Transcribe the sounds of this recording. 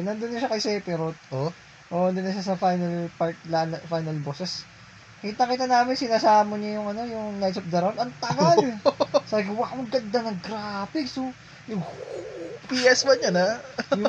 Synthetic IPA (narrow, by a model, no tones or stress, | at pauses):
nɐnd̪onːɐʃakɐjsɛpɪɾot̪̚ʔo | ʔoʔɐnd̪onːɐʃasɐfajnɐlpaɹt̪̚lanɐfajnɐlboːsɛs | kiːt̪ɐŋkiːt̪ɐnaːmɪnsɪnaːsaːmoɲɐjʊŋɐno̞jʊŋlajsɐp̚d̪ɐɾawnɐŋt̪ɐɡalsaːbɪɡɐwɐkʊŋɡɐnd̪ɐnɐɡɾaːpɪksʊ | jʊŋhupiʔɛsmɐɲɐnaj